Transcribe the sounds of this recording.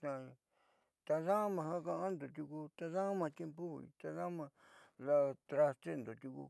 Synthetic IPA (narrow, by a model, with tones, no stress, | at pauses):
t̪ã˧ | t̪a˧ðã˦mã˧hã˦˧kã˧ʔa˦nd̪o˨t̪u˧ku˧t̪a˧ðã˦mã˧t̪ʲe˧mpo˦ḭ˧t̪a˧ða˦mã˧ | la˧t̪ɾa˧st̪e˦nd̪o˨t̪u˧kṵ˧